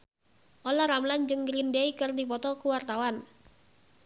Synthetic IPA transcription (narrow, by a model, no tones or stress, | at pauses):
ʔolaɾamland͡ʒɨŋɡɾindɛikərdipɔt̪ɔkuwart̪awan